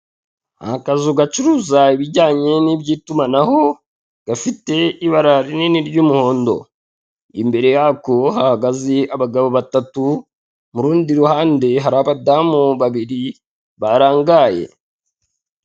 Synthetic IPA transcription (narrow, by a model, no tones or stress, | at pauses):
a̰kazuɡat͡ʃuɾuzaiβiɟaːɲe̞nibɟiːtumanaho̞ | ɡ̥afite̞iβaɾaɾininiɾɟumuho̞ːndo̞̰ | ḭmbe̞ɾe̞jakohahaɡaziaβaɡaβoβatatu | muɾuːndiɾuhaːnde̞ɦaɾaβadamuβaβiɾi | βaɾaːŋɡaje̞̰